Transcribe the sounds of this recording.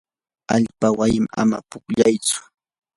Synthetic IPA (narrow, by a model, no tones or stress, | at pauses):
aʎpawajɪma̰ma̰pʊkʎajt͡sʊ̥